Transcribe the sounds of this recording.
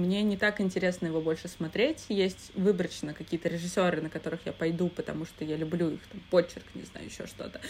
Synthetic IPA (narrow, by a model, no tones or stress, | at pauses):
mnʲe̞nʲɪt̪akɪnʲtʲɪɾʲe̞snəjɪvo̞bo̞lʲʂɨsmɐt̪ɾʲetʲjesʲtʲvɨbɾət͡ɕnəkɐkʲijət̪əɾʲɪʐɨsʲːo̞ɾɨnəkɐt̪o̞ɾɨxja̰pɐjd̪upət̪ɐ̰muʂt̪ojalʲʊblʲuḭxt̪ampo̞t͡ɕːɪrknʲɪ̰zna̰jʊ̰ɪ̰ɕːo̞̰ʂt̪o̞̰t̪ə̥